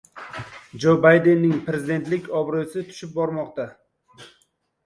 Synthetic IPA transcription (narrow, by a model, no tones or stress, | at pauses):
d͡ʒobajd̪enːɪŋpɾe̞zɪd̪e̞nt̪lɪkʲɒbɾɨsɪt̪ʰʊ̥ʃɪp̚bɒɾmɒqt̪a